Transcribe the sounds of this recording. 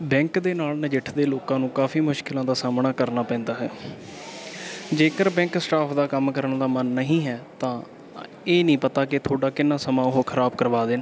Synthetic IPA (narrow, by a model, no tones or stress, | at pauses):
bɛ̃ːŋkd̪eːnaːlnəd͡ʒɪʈʰd̪eːloːkãːnũːkaːfʰiːmʊʃkɪlãːd̪aːsaːmɳaːkəɾnaːpɛ̃ːnd̪aːɦɛː | d͡ʒeːkəɾbɛ̃ːŋksʈaːpʰd̪aːkəmkəɾəɳd̪aːmənːəɦĩːɦɛːt̪ãː | eːnĩːpət̪aːkɪt̪ʰoːɖaːkɪnːãːsəmãːʊɦoːkʰəɾaːbkəɾʋaːd̪eːn